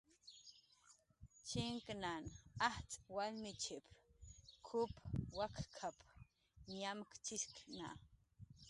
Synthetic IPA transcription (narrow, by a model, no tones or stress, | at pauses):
t͡ʃiŋknanaht͡sʼwalmit͡ʃip | kʰʊpʰwakkʰapʰ | ɲamkt͡ʃiskna̰